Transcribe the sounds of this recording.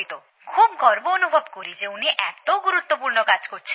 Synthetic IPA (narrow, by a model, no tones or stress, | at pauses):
jt̪o | kʰubɡʱɔɾboːnubʱɔbkɔɾid͡ʒeuniʔɛt̪oɡuɾut̪wɔpuɾnɔkad͡ʒkot͡ʃʰi